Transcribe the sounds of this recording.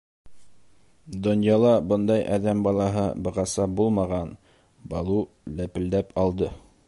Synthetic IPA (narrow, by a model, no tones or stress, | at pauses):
d̪ŏnjɑlˠɑbɤnd̪ɑjʔɑðæmbɑlˠɑɦɤbɤ̆ʁɑsɑbulˠmɑʁɑn | bɑlˠu | læpɘ̆ld̪æpʰɑlˠd̪ɤ